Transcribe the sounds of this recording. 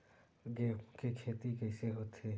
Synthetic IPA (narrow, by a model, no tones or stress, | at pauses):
ɡekekʰeːt̪ikɛːseɦoːt̪ɦeː